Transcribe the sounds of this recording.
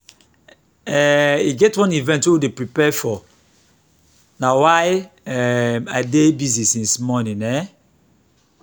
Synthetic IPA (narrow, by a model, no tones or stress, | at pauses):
ɛiɡɛtwɔ̃nivɛ̃ntwuwidepɹipɛfɔ | nawaɪɛmadebiznisĩnsmɔnĩnɛ